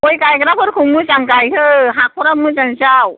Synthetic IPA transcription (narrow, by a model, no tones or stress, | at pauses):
ojkajkəɾapʰɯɾkʰɯŋmɯzaŋkajɦɯɦak̚ʰɔɾamɯzaŋsaw